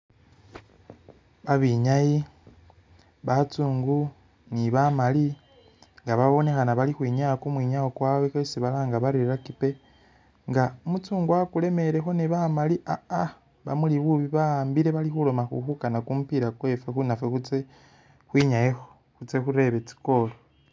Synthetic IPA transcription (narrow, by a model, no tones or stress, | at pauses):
βaβiɲaji | βat͡suːŋɡu | niβamali | ŋɡaβaβo̞ne̞xanaβalixwiːɲakumwiːɲajokwaːwekasiβalaːŋɡaβaɾiɾakipe̞ | ŋɡaumut͡suːŋɡwakule̞me̞ɾe̞xo̞niβamaliʔaa | βa̰muliβuβiβambiɾe̞βalixulo̞maxṵxukanakumupiɾakwe̞fexunafexut͡se | xwiːɲajexo | xut͡se̞xuɾe̞βe̞t͡si̥ko̞lo